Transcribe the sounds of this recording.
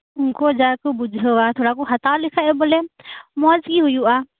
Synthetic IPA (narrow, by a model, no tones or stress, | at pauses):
ʊnkod͡ʒaːkobʊd͡ʒʱoaːt̪ʰoːɽakoɦɐt̪alɪkʰaebəlemɔːzɡiɦʊjuaː